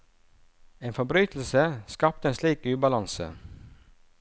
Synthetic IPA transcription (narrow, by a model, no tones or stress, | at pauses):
eːnfɔbɾyːt̪l̩səskɑp̚t̪əeːnsliːkʉːbɑlɑnsə̰